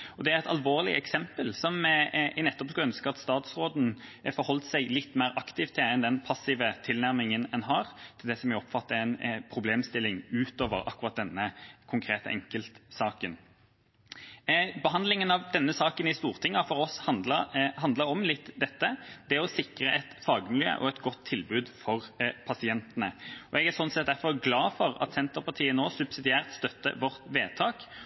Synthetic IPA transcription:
ɔd̪ɛæɾɛɪt̪ɑlʋoːʁlɪ̰ɛksɛmpəlsɔmnɛt̪ːɔpskɑœnskəɑt̪st̪ɑːt̪sɾoːd̪n̩fɔɾhɔlt̪sæɪlɪt̪ːmeːɾʔɑkt̪ɪʋt̪ʰːɪɛnd̪ɛnpʰɑsɪʋət̪ʰɪlnæʁmɪŋənɛnɦɑːɾt̪ʰɪld̪ɛsɔmæɔpfɑt̪ːəæɪnpʰɾʊbleːmst̪ɪlːɪŋʉːt̪oːʋə̰ɾɑ̰kːʊʁɑt̪̚d̪ɛnːəkʰʊŋkʰɾeːt̪ə̰ʔɛŋkəlt̪sɑːkən | bəɦɑnd̪lɪŋənɑʋd̪ɛnːəsɑːkənɪst̪uːʁt̪ʰɪŋːɑfɔʁɔshɑnləɦɑnd̪ləɾɔmlɪt̪ːd̪ɛt̪ːəd̪̥ɛɔsɪkɾəʔɛt̪fɑːɡəmɪljø̰ːʔɔ̰ɛt̪ɡɔt̪ʰːɪlbʉːd̪fɔʁpʰɑsɪɛnt̪ənəɔɛɡæɾsɔnsɛt̪̚d̪æʁfɔʁɡlɑːfɔɾɑ̰t̪sɛnt̪əpɑt̪ʰiːənoːsʉbsɪd̪ɪæːʁt̪st̪œt̪ːə̰ʋɔʁt̪ʋeːt̪ʰɑːk

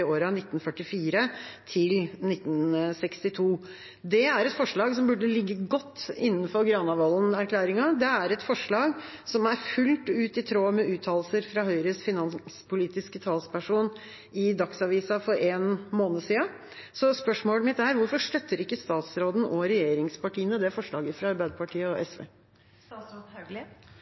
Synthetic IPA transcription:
oːɾɑnɪt̪ːn̩fœʈːɪfiːɾət̪ʰɪlnɪt̪ːn̩sɛkst̪ɪt̪ʰuː | d̪ɛæɾɛt̪fɔʂɭɑːɡsɔmbʉɖəlɪɡːəɡɔt̪ːɪnːən̩fɔɾɡɾɑnɑʋɑlːənæɾkʰlæːɾɪŋɑd̪ɛæɾɛt̪fɔʂɭɑːɡsɔmæɾfʉlt̪ʉːt̪ɪt̪ʰɾoːmɛʔʉːt̪ʰɑːllsəɾfɾɑːɦœʏɾəsfɪnɑnspʊliːt̪ɪskət̪ʰɑːlspæʂuːn | ɪd̪ɑksɑʋiːsɑfɔɾeːnmoːnəsiːɑ | sɔspœʂmoːləmɪt̪æɾʋʊɾfɔʂt̪œt̪ːəɾɪkːəst̪ɑːt̪sɾoːd̪n̩ʔɔɾɛjeːɾɪŋspɑʈiːənəd̪ɛfɔʂɭɑːɡəfɾɑɑɾbæɪd̪əpɑʈʰiːəɔʔɛsʋḛː

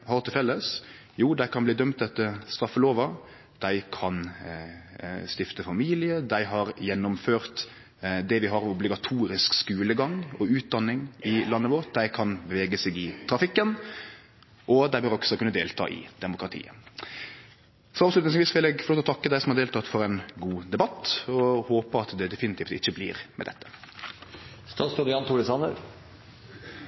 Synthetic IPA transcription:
hɑɾt̪ɪlfɛlːəs | juːd̪æɪkʰɑnbliːd̪œmt̪̚d̪ɛt̪ːəst̪ɾɑfːəloːʋɑ | d̪̥æɪkʰɑn | st̪ɪft̪əfɑmiːlɪəd̪æɪɦɑɾjɛnːʊmføːɾt̪ | d̪ɛʋɪɦɑɾʊblɪɡɑt̪ʰuːɾɪskskʉːləɡɑŋɔʉːt̪̚d̪ɑnːɪŋɪlɑnːəʋɔɾt̪̚d̪æɪkʰɑnbəʋeːɡəsɛɡɪt̪ʰɾɑfɪkːən | ʔɔd̪æbœɾɔksɔɛkʉnːəd̪eːlt̪ʰɑ̰ːʔɪ̰d̪ɛmʊkʁɑt̪ʰḭːə̰ | sɔɑːʋslʉt̪nɪŋsʋiːsʋɪlɛɡfɔloːt̪ɔt̪ɑkːəd̪æɪsɔmhɑɾʁdeːlt̪ʰɑːt̪fɔɾɛnɡuːd̪ɛbɑt̪ːɔhoːpəɑt̪d̪ɛd̪ɛfɪnɪt̪ʰiːft̪ɪçːəblḭːɾmɛ̰d̪ɛ̰t̪ːə̥ | st̪ʰɑːt̪st̪od̪ɑnt̪ʰʊɾɪsɑnə̰ɾ

